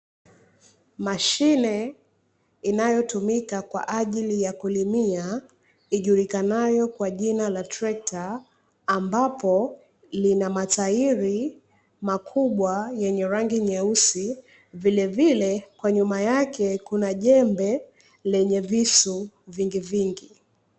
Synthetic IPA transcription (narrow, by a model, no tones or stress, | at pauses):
maʃinɛ | inajɔtumikakwa̰ʔaʄilijakulimia | iʄuɾikanajɔkwaʄinalatɾɛk̚taː | mbapɔ | linamataiɾi | makʰuɓwajɛɲɛɾaŋɡiɲɛusi | vilɛvilɛkwaɲumajakɛkunaʄɛmbɛ | lɛɲɛvisu | viŋɡiviŋɡi